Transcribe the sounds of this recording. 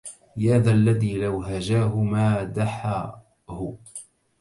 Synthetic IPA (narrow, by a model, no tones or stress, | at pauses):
jaːðaːlːaðiːlawɦad͡ʒaːɦʊmaːd̪aħa | hʊ